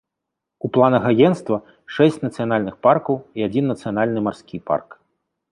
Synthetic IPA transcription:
uplˠanɐɣajɛnst̪vɐ | ʂɛsʲt͡sʲnɐt̪sɨjanalʲnɨxparkɐwiad͡zʲinːɐt̪sɨjanalʲnɨmarskʲipa̰rk

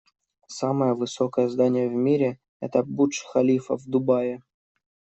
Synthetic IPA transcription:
saməjəvɨsokəjəzd̪anʲɪjəvmʲiɾʲɪ | ɛ̰t̪əbuʂxɐlʲifə̰vd̪ʊbajɪ

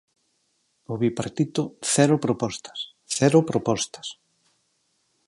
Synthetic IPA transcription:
oβipaɾt̪it̪ʊθɛɾʊpɾopɔst̪ɐ̥s | θɛɾʊpɾopɔst̪ɐ̥s

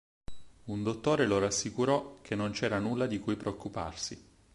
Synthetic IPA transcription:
und̪ot̪ːoːɾeloɾasːikuɾɔk̟ʰenːont͡ʃɛːɾanulːad̪ikujpɾeokːupa̰rsi

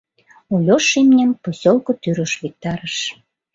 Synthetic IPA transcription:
ulʲoʃimnʲenposʲolkŏt̪yɾə̆ʃβik̚t̪ɑɾəʃ

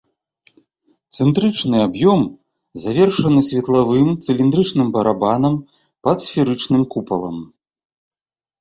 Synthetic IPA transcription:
t̪sɛnt̪ɾɨt͡ʂnɨabjɔm | zavʲɛrʂɐnɨsʲvʲɛt̪lˠavɨmt̪sɨlʲind̪ɾɨt͡ʂnɨmbɐɾabanɐm | pɐt̪sfʲiɾɨt͡ʂnɨmkupɐlˠɐ̰m

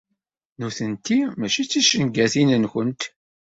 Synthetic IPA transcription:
nuθənt̪imæʃit͡sːiʃənɡæθinənçənt̪

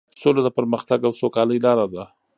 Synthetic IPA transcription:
solod̪əpəɾməxt̪aɡawsokɑləjlɑɾad̪a

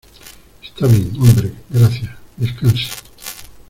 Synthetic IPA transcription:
est̪aβeŋombɾeɡɾaθjaðeskansḁ

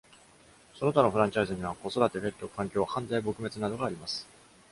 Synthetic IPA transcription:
so̞no̞t̪ano̞ɸɯ̟ɾãɲ̟t͡ɕaizɨɲ̟iβako̞so̞d̪at̪e̞be̞ɾɯt̪ːo̞kʰãŋkʲo̞ːhãndaibo̞kɯ̟me̞t͡sɨnad̪o̞ɡaːɾʲimasɨ̥

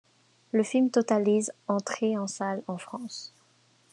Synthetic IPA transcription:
ləfilmt̪ɔt̪alizɑ̃t̪χeɑ̃salɑ̃fχɑ̃s

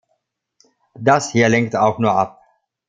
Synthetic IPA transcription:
dashiːɐlɛŋk̚taʊxnuːɐʔap̚

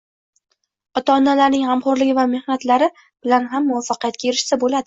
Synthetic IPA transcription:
ɒt̪aɒnːalaɾnɪŋhamχɒɾlɪɡʲɪvame̞hnat̪laɾɪ | b̥ɪlanɦamːʊvafːɑqijat̪kʲaeɾɪʃsabolad̪ɪ

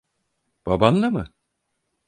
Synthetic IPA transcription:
b̥abanlˠamɯ

